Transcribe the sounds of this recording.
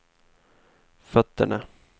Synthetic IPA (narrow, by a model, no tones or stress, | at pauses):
fœt̪ːəɳa̰